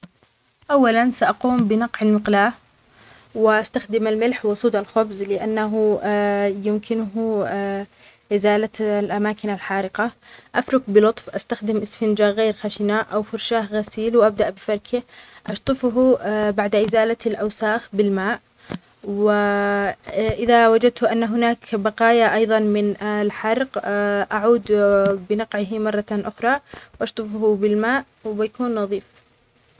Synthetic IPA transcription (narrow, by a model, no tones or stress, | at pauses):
ʔawːalansaʔaquːmbɪnɑqʕalmɪqlaːʔ | wɪʔast̪axd̪ɪmalmɪlħwʊsˤuːd̪alxʊbzlɪʔanːaɦʊ | jɪmkɪnʊɦʊ | ʔɪzaːlalʔamaːkɪnalħaːɾɪqɑʔafɾʊkbɪlʊt̪ˤfʔast̪axd̪ɪmʔɪsfɪnd͡ʒaɣeːɾxaʃɪnaːʔʔawfʊɾˤʃaːhɣasiːlwʔab̚d̪aʔbɪfɑɾˤkʰɪʔɑʃt̪ˤɨfʊɦubaʕd̪aʔɪzaːlalʔawsaːxbɪlmaːʔ | wɪ | ʔɪðawad͡ʒad̪̚t̪ʊʔanːaɦʊnaːkbɑqɑːjaʔɑjðˤɑnmɪnlħɑɾˤqʔaʕuːd̪bɪnɑqʕɪɦmɑrˤːɑʔʊxɾˤɑːwʔɑʃt̪ˤɨfhʊbɪlmaːʔ | wɪbɪjakuːnːɑðˤiːf